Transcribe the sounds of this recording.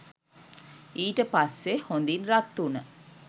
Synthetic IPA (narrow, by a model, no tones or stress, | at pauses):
iːʈəpɐsːehond̪inɾɐt̪ːunə